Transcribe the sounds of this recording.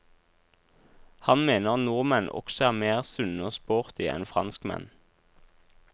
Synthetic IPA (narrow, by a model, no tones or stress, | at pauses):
hɑnmeːnəʁɑtnuːʁmɛnʔɔ̰ksɔæːʁmeːʁsʉnəoːspoːʁt̪ɪʔɛ̰nfʁɑnskmɛ̰n